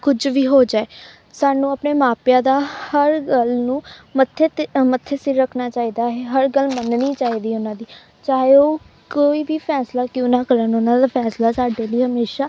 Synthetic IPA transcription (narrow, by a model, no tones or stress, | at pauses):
kʊd͡ʒʋiːɦoːd͡ʒaːeː | saːnũːəpneːmaːpjãːd̪aːhəɾɡəlnũːmət̪ʰːeːt̪mət̪ʰːeːsɪɾːəkʰnaːt͡ʃaːiːd̪aːɦɛːɦəɾɡəlmənniːt͡ʃaːɦiːd̪iːʊnãːd̪iː | t͡ʃaːɦeoː | koːiːbiːpʰɛːslaːkjõːnãːkəɾənʊnãːd̪aːpʰɛːslaːsaːɖeːliːɦəmeːʃaː